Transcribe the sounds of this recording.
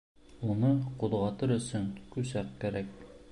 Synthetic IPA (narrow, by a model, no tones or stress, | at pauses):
unɤqud̪ʁɑt̪ɤɾɵ̆sɵŋkʉsæqkæɾæk̚